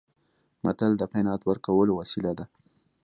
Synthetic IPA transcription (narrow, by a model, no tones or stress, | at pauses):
ma̰t̪ald̪əqanɑt̪wəɾkawəlowasilad̪a